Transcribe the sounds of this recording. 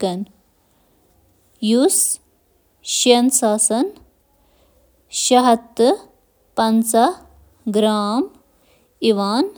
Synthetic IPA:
kɐn | jus | ʃjɐnsaːsɐn | ʃɐɦɐt̪ː | pɐnsɐ | ɡɾaːm | iʋaːn

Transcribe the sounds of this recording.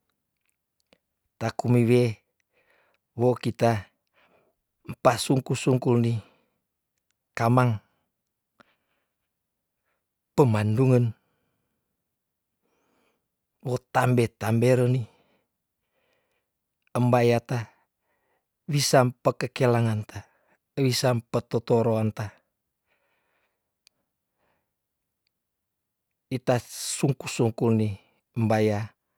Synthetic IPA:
t̪akumiwe | wokit̪a | m̩pasuŋkusuŋkulni | kamaŋ | pəmanduŋən | wot̪ambet̪ambeɾəni | əmbajat̪a | wisampəkəkelaŋant̪a | wisampət̪ot̪oɾoant̪a | it̪asuŋkusuŋkulni | əmbaja

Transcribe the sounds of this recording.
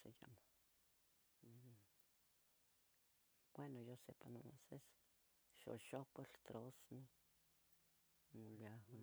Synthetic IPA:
seja̰ma | w̥wenojosepanomoses | ʃo̰ʃopolt̪ɾosni | a

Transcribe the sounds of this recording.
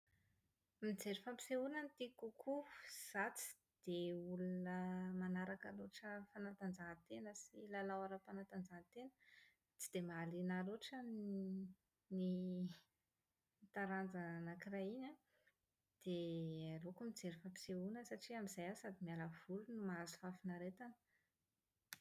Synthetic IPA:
mid͡zeɾifampi̥seunənt̪ikukʰuz̥at͡si̥ | d̪̥eulunəmanaɾakaloʈ͡ʂəfanat̪and͡zaɦət̪enəsilalawaɾapanat̪and͡zaɦt̪enə | t͡si̥d̪̥emaːlinaloʈ͡ʂa | ni | it̪aɾand͡zaanakiraina | d̪̥ealokumid͡zeɾifəpi̥seunəsaʈ͡ʂiamizajasad̪imialəv̥ulunumaazu̥fafinaɾet̪anə̥

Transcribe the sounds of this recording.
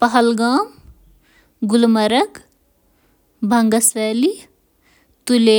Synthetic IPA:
pɐɦəlɡaːm | ɡʊlmɐɾək | bʱɐŋɡəsɛːli | t̪uleː

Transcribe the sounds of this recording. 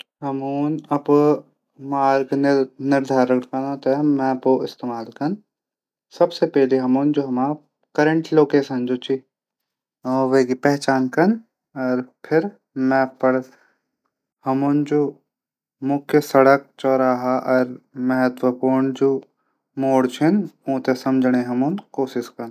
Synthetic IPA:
ɦɐmuːnɐp | maːɾɡnnɪɾd̪ʱaːɾəkkɐnãt̪emɛ̃ːpoɪst̪eːmaːlkɐn | sɐbsepɛɦliɦɐmuːnd͡ʒoːɦɐmaː | kɐɾə̃ɳʈloːkeːsə̃nd͡ʒoːt͡ʃi | ʋeɡipɛɦt͡ʃaːnkɐn | ɔːɾpʰɪɾ | mɛ̃ːpəɾ | hɐmuːnd͡ʒoː | mʊkʰjəsɐɽək̚t͡ʃɔːɾaːɦaʔɔːɾmɐɦət̪wəpuːɾɳd͡ʒoː | moːɽt͡ʃʰɪnõːt̪esɐmd͡ʒʱəɽ̃ẽɦɐmunkoːʃɪskɐn

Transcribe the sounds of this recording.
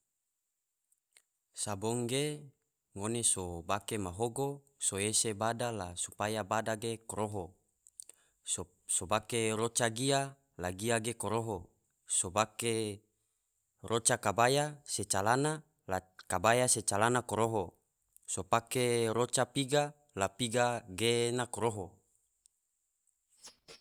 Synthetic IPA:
saboŋɡe | ŋonesobakemaɦoɡo | soesebadalasupajabadaɡekoɾoɦo | sobakeɾot͡ʃaɡia | laɡiaɡekoɾoɦo | sobake | rʔot͡ʃakabajaset͡ʃalana | lakabajaset͡ʃalanakoɾoɦo | sopakeɾot͡ʃapiɡa | lapiɡaɡenakoɾoɦo

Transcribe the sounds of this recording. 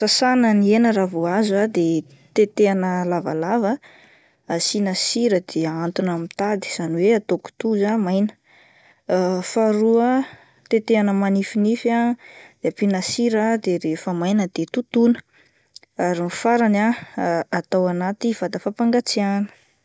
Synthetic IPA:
sasanənienəɾavuazuad̪e | t̪et̪eanəlava̰lavə | asinasiɾəd̪eant̪unamit̪ad̪i̥z̥aniweat̪oku̥t̪uzamajnə̥ | faɾuə | t̪et̪eanəmanifinifad̪̥eapinasiɾəd̪eɾefəmajnəd̪̥et̪ut̪unə̥ | aɾinfaɾanaat̪awanat̪iv̥ad̪əfapaŋɡat͡sianə̥

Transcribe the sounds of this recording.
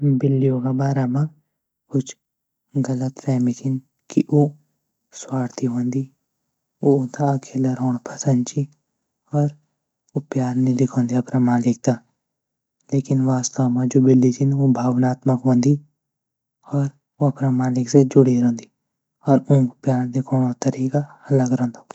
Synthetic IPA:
bɪlːioːɡabaːɾamã | kʊt͡ʃʰ | ɡɐlət̪fɛːmit̪ʰɪn | kiʔo | swaːɽt̪ʰiɦõːnd̪iː | ot̪akʰelɐɾoːɳpʰɐsənt͡ʃi | ɔːɾ | opjaːɾnẽlɪkʰõːnd̪iɐpnamaːlɪk̚t̪a | leːkɪnʋaːst̪aʋmãd͡ʒobɪlːit̪ʰinobʱaːʋnaːt̪məkɦõːnd̪i | ɔːɾ | oɐpnamaːlɪksed͡ʒʊɽiɾõːnd̪i | ɔːɾũpjaːɾd̪ikʰõːnot̪ɐɾiːkaɐləɡɾɐ̃ːnd̪a

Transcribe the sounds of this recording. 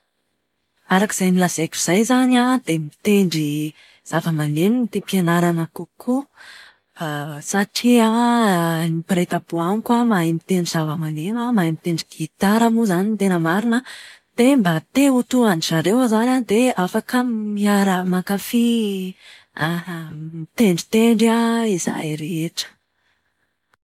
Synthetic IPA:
aɾaki̥z̥ajmilaz̥akʲuiz̥ajzanad̪̥emit̪eɳɖ͡ʐi | z̥avəmanenit̪epianaɾanəkukʰu | fasaʈ͡ʂia | nipiɾet̪abuankamaimit̪eɳɖ͡ʐiz̥avəmanenamajmit̪eɳɖ͡ʐiɡit̪aɾamuzanint̪enəmaɾinəd̪̥embat̪eut̪uanizaɾewzanad̪eafakəmiaɾəmakafi | mit̪eɳɖ͡ʐi̥t̪eɳɖ͡ʐaiza̰jɾeeʈ͡ʂə̥

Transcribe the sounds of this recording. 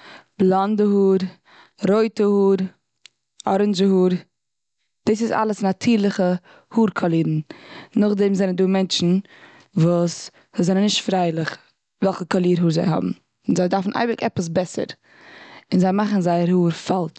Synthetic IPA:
b̥lˠandəhuːɾ | ɾoɪtəhuːɾ | ɔɾɪnzəhuːɾ | d̥iːs̬ɪsa̰lˠəsnatʰiːɾlˠɪχə | huːɾkʰalˠiːɾn̩nʊχdɛmzɛnənduːmɛnt͡ʃn̩ | vuːs | zɛnənɪʃtfɾaɪlˠɪχ | vɛlˠχəkalˠiːɾɦuːɾzaɪɦɔ̰bm̩ | ɪnzaɪdaɾfn̩ʔa̰ɪbɪkɛpəs̬bɛsə̰ɾ | ɪnzaɪmaχn̩zaɪəɾhuːɾfalˠt

